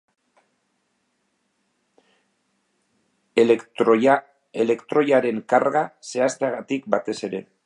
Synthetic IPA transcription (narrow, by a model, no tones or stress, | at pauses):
ele̞kt̪ɾo̞jaɾe̞ŋkaɾɣase̞ast̪eaɣat̪ik̚bat̪e̞se̞ɾe̞